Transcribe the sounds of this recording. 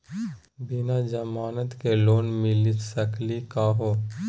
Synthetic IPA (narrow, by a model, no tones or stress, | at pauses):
bɪnad͡ʒəmaːnət̪keloːnmɪlɪt̪səklikaːɦoː